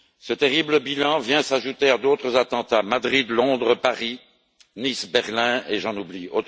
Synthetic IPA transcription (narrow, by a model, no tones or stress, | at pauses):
sət̪eʁibləbilɑ̃vjɛ̃saʒut̪ead̪ot̪χəzat̪ɑ̃t̪amad̪ʁid̪lɔ̃d̪ʁəpaʁi | nisbɛʁlɛ̃eʒɑ̃nublio